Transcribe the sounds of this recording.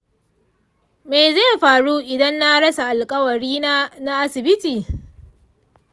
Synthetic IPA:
me˨jze˦˨ɸaː˨ɽu˦ʔɪ˨dɐ˦nːa˦ɽɐ˦sa˨ʔa˨lkʼɐ˦wɐ˨ɽiː˦naː˦na˦ʔa˦sɪ˨bɪ˦tiː˨

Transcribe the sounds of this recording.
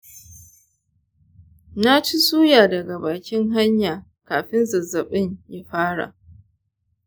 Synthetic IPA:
na˦t͡ʃi˦suː˦jaː˨dɐ˨ɡa˨baː˨kʲɪ˦ŋɦa˦ɲjaː˨ | kaː˨ɸɪ˦nzɐ˨zːɐ˨ɓɪ˦ɲja˦ɸaː˦ɽa̰˨ʔ

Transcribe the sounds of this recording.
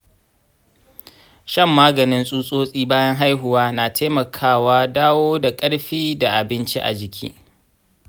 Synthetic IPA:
ʃɐ˦˨mːaː˦ɡɐ˨nɪ˦nsʼuː˦sʼoː˦sʼiː˦baː˦jɐ˦ŋɦa˦jɦʊ˨waː˦na˨tʰe˦mɐ˨kʰaː˦˨waː˦daː˦woː˦da˨kʼɐ˦ɽɸiː˦da˨ʔa˨bɪ˦nt͡ʃḭ˦ʔa̰˨d͡ʒɪ˨kʲʰḭ˦

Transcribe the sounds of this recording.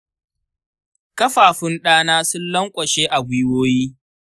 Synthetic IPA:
kɐ˦ɸaː˨ɸʊ˦nɗaː˦naː˦sʊ˦nlɐ˦ŋkʷʼɐ˨ʃeː˦ʔa˨ɡʷʊ˦woː˦jiː˦

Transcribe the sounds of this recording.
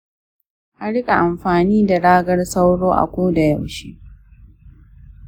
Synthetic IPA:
ʔa˦ɽɪ˦kʼa˨ʔa˨mɸaː˨niː˦da˨ɽaː˦ɡɐ˦rsa˦wɽoː˦ʔa̰˨kʷoː˦da˨jɐ˨wʃi˦

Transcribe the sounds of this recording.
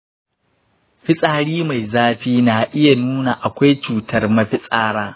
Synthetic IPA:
ɸɪ˦sʼaː˨ɽiː˦ma˨jzaː˦ɸiː˦na˨ʔɪ˦ja˨nuː˦na˨ʔa˨kʷa˦jt͡ʃuː˨tɐ˦rmɐ˦ɸɪ˦sʼaː˦ɽaː˦

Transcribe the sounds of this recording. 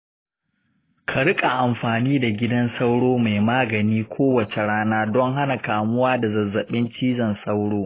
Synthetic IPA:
kʰa˨ɽɪ˦kʼa˨ʔa˨mɸaː˨niː˦da˨ɡʲɪ˦dɐ˦nsa˦wɽoː˦ma˨jmaː˦ɡɐ˨niː˦kʷʰoː˦wɐ˨t͡ʃe˨ɽaː˦naː˦dɔ˦ŋɦa˦na˨kaː˨mʊ˦waː˦da˨zɐ˨zːɐ˨ɓɪ˦nt͡ʃiː˦zɐ˨nsɐ˦wɽoː˦

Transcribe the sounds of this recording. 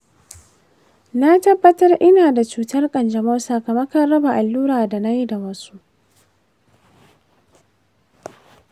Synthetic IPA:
na˦tɐ˦bːɐ˦tɐ˦rʔɪ˦naː˨da˨t͡ʃuː˦tɐ˦rkʼɐ˨nd͡ʒɐ˨mo˦sa˨kɐ˨mɐ˦kɐ˦rːɐ˦ba˨ʔa˨lːuː˦ɾaː˨da˨na˦ji˦da˨wɐ˦su˦ʔ

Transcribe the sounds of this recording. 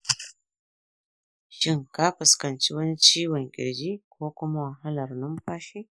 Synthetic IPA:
ʃi˦ŋka˦pu˨ska˨nt͡ʃi˦wa˦ni˦t͡ʃi˦wa˨ŋkʲḭ˨ɾd͡ʒi˦kʰo˦ku˦ma˦wa˨ɦa˦la˨ɾnu˦mpa˦ʃi˦

